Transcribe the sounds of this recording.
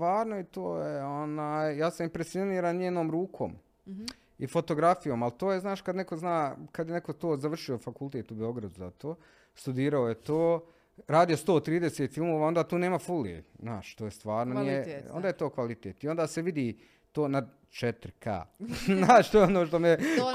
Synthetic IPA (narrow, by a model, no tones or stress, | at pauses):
t̪ʋaːɾnoit̪oːjeo̞naːjjaːsamimpɾesioniːɾanɲeːnoːmɾuːkʰo̰ːm | ifo̞t̪o̞ɡɾafijo̞ːmalt̪oːjeznaːʃkad̪ne̞ko̞znaːkad̪jene̞kot̪oːzaʋr̩ʃio̞fakulˠt̪et̪ubeo̞ɡɾad̪uza̰t̪oː | st̪ud̪iːɾaojet̪oː | ɾaːd̪ijo̞st̪oːt̪ɾiːd̪eseːt̪filˠmoʋaːo̞nd̪aːt̪uːneːmafuliḛznaːʃt̪oːjest̪ʋaːɾnonieo̰nd̪aːjet̪oːkʋalit̪eːt̪iond̪aːseʋid̪iː | t̪oːnad̪ | t͡ʃet̪ɾka̰ːnaːʃt̪ojeonoːʃt̪o̞me